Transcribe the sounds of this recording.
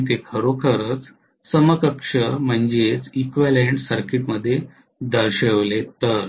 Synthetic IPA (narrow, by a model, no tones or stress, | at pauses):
t̪̬ekʰəɾokʰəɾət͡s | səməkəkʂəm̤əɳd͡ʑet͡sikʋeleɳʈsəɾkiʈ̪məd̪ʱːje | d̪əɾɕəʋlet̪əɾ